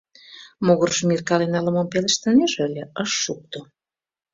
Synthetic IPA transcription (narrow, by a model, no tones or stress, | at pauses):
moɣərʃmirkɑlenɑlə̆mompeleʃt̪ɑnʲeʒəlʲeəʃːuk̚t̪o